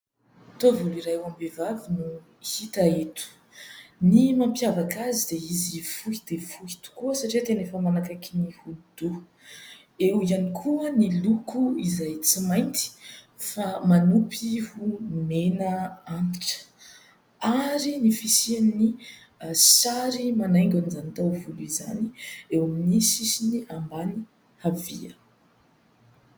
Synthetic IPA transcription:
t̪ovoliɾajuambevavinu | hit̪aet̪u̥ | nimampjavakazid̪̥eizifuhid̪̥efuhi̥t̪u̥kuəsaʈ͡ʂiat̪enefəmanakakinihud̪̥u | eujanikʰuənilukuizajt͡simajnt̪i̥ | famanupihumenəanʈ͡ʂə̥ | aɾinifisianni | saɾimanajŋɡʲanizanit̪awvuluiza̰niewaminisisiniʔambani | havḭə

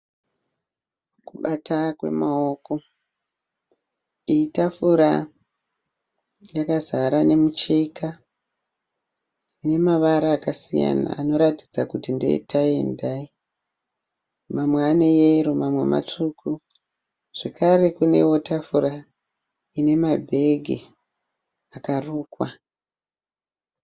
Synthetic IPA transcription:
kuɓatakwe̞̰maoko̞ | iitafuɾa | jakazaɾane̞mut͡ʃeika | ine̞maʋaɾaːkasija̰na̰ːno̞ɾati̥d͡zakutindḛtʰae̞ndai | mamweane̞jeɾomamwe̞̰ma̰t͡ʂuku | ʐ̥e̞kaɾe̞kune̞wo̞tafura | ine̞mabʱe̞ɡʱḛ | akaruːkwa

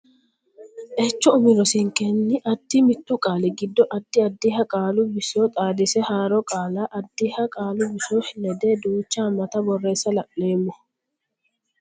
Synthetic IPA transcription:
ʔɛt͡ʃːɔʊmɪɾɔsɪŋkɛnːɪʔɐd̪ːimɪt̪ːʊkʼaːlɛɡɪd̪ːɔʔɐd̪̥ːɪɐd̪ːihɐkʼaːlʊbɪsoːt̪ʼaːd̪ɪsɛhaːɾɔkʼaːlaːʔɐd̪ːihɐkʼaːlʊbɪsoːhɪnɛd̪eːd̪uːt͡ʃːaːmɐt̪ɐbɔrːe̞ːsɐlɐʔʼleːmːʊ

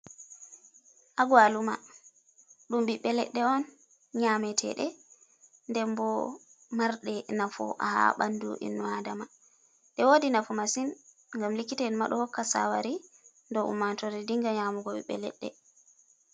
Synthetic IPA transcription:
ʔaɡwaluma̰ | ɗumbiɓːɛlɛ̰ɗːɛɔn | ɲaːmɛtʰɛ̰ɗɛ | ndɛmbɔ | maɾɗɛnafɔ̰ʔa̰ha̰ɓandṵʔḭnːuadama | ɗɛwodinafɔmasin | ŋɡamlikːitɛnma̰ɗɔhɔkːasa̰waɾi | ndɔʔṵmːantɔɾɛdiŋɡaɲaːmuɡɔbḭɓːɛ̰lɛ̰ɗːɛ̰

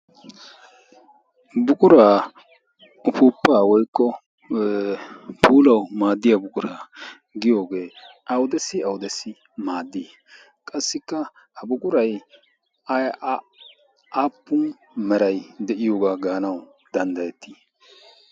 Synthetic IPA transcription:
bʊkʼʊɾaː | ʊpuːpːaːwɔjkːɔ | pʰuːlɐwmaːd̪ːɪjabʊkʼʊɾa | ɡɪjo̞ːɡeːʔɐwʊd̪ɛsɪɐwʊd̪ɛsɪ | maːd̪ːi | kʼɐsːɪkːɐ | ɐbʊkʼʊɾɐj | ɐj | aːpːʊn | mɛɾɐjd̪ɛʔɪjoːɡaɡaːnɐw | d̪̥ɐnd̪ɐjɛt̪ːi̥

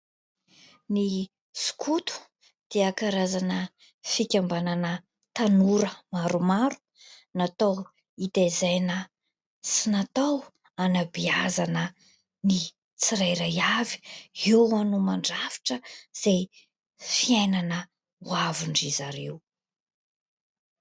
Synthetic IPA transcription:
ni | su̥kʰut̪u̥ | d̪̥eakaɾazanə | fikʲambananə | t̪anuɾəmaɾumaɾu̥ | nat̪ow | it̪ezajnə | sinat̪aw | anabiazanə | ni | t͡siɾajɾajavi̥ewanumaɳɖ͡ʐafi̥ʈ͡ʂəz̥ej | fiajnanə | wavuɳɖ͡ʐizaɾew

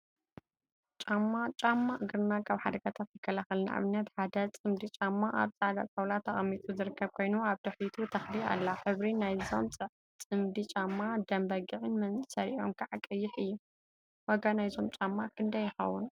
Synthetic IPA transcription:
t͡ʃʼamːat͡ʃʼamːaʔɨɡɾɨnakʰaβħad̪ɐɡʰat̪ʰat̪jɪkʰːɐlaxɨlna̰ʔʕa̰βɨnːɐt̪ħad̪ɐt͡sʼɨmd̪it͡ʃʼamːaʔa̰βt͡sʼaʕd̪at͡sʼɐwlat̪ʰːɐχʼɐmːit̪ʼʰuzɨɾɨkʰːɐβkʰo̞jnuaβd̪ɐħit̪ʰut̪ʰɐxlia̰lːaħɨβɾinajzomt͡sʼɨʕ | t͡sʼɨmd̪it͡ʃʼamːad̪ɐmbɐɡɨʕɨnmɐnʼsɐɾiʔo̞̰mkʰaʕakʼːɨjːɪħɨjːu | wɔɡanajzo̞mt͡ʃʼamːakʰɨnd̪ɐjːɪxɐ̰wun

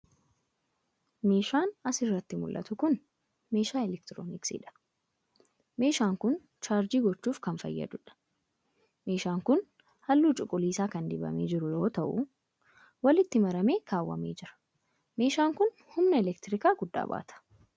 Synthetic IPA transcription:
me̞ːʃaːnɐsɪrːɐt̪ːɪmʊlʔːɐ̰t̪ʊkʊn | me̞ːʃaːɛlɛkt̪ɪɾo̰ːnɪksɪ̰ᶑɐ̥ | me̞ːʃaːŋkʊn | t͡ʃaːɾd͡ʒiːɡɔt͡ʃːuːfkɐnfɐ̰jːɐ̰d̪ʊᶑɐ̥ | me̞ːʃaːŋkʊn | hɐlːuːt͡ʃʼʊkʼːʊliːsaːkɐnd̪ɪbɐ̰meːd͡ʒɪɾʊjo̞ːt̪ɐʔʊ̰ | wɐlɪt̪ːɪmɐɾɐme̞ːkaːwːɐ̰meːd͡ʒɪɾɐ̥ | me̞ːʃaːŋkʊn | hʊmnɐɛlɛkt̪ɪɾɪkaːɡʊd̪ːa̰ːba̰ːt̪ʰɐ̥

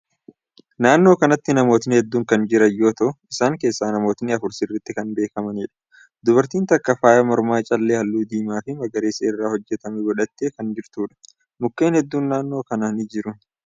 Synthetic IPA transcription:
naːnːo̞ːkɐnɐt̪ːɪnɐmo̞ːt̪ɪnɪhɛd̪ːuːŋkɐnd͡ʒɪɾɐjːo̞ːt̪ɐʔʊɪsaːŋke̞ːsːaːnɐmo̞ːt̪ɪnɪɐfʊɾsɪrːɪt̪ːɪkɐnbe̞ːkɐmɐniːᶑɐ̥ | d̪ʊβɐɾt̪iːnt̪ɐkːɐfaːjɐmɔɾmaːt͡ʃʼɐlːeːhɐlːuːd̪iːmaːfɪmɐɡɐɾeːsɐɪrːaːhɔd͡ʒːɛt̪ɐmɛɡɔᶑɐt̪ːeːkɐnd͡ʒɪɾt̪uːᶑɐ̥ | mʊkːe̞ːnhɛd̪ːuːnːaːnːo̞ːkɐnɐnɪd͡ʒɪɾʊn

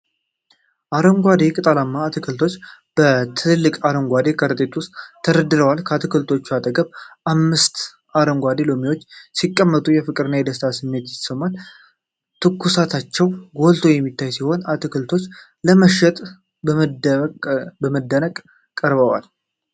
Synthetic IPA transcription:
ʔaɾəŋɡʷad̪e̞kʼɨt̪ʼalamːaːt̪ʰɨkʰɨlt̪ʰo̞t͡ʃːb̥ət̪ʰɨɨlːɨkʼaɾəŋɡʷad̪e̞kʰəɾɨt̪ʼet̪ʰuwʊst̪ʼʰːəɾəd̪ːɨɾəwalkʰəat̪ʰɨkʰɨlt̪ʰo̞t͡ʃːuat̪ʼəɡəβʔamːɨst̪ | aɾəŋɡʷad̪e̞lomiwo̞t͡ʃːsikʼːəmːət̪ʼujɛfɨkʼɨɾɨnːajɛd̪əst̪ʰasɨmːe̞t̪jɪsəmːal | t̪ʰɨkːusat̪ʰat͡ʃːɛwɡo̞lt̪ʰo̞jɛmːit̪ʰːajsiho̞nat̪ʰɨkɨlt̪ʰo̞t͡ʃː | ləməʃːɛt̪ʼ | b | bəməd̪ːənəkʼ | kʼːəɾbəwa̰l

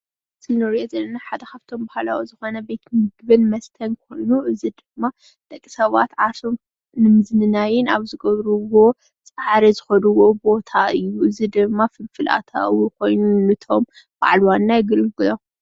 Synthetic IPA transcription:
sɨlnoɾijozɐlːɐnaħad̪ɐkaβt̪ʰo̞mbahla̰wuzɨxo̞nɐbe̞t̪mɨɡbɨnmɐst̪ʰɐnkʰo̞jnuʔɨzid̪ɨmːa | d̪̥ʼɐkʼːisɐβat̪ʕasom | nɨmɨznɨnajɪnaβzɨɡɐβɾuwo̞ | t͡sʼaɾizɨxɐd̪uwo̞bo̞t̪ʰaɨjːuʔɨzid̪ɨmːafɨlfɨlʔa̰t̪ʰa̰wuko̞jnunɨt̪ʰo̞m | b̥a̰ʕlwanːajɪɡɨlɡɨlom

